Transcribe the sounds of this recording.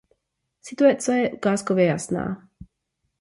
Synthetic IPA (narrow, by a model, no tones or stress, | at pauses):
sit̪uat͡sajɛɡaːskɔʋjɛjasna̰ː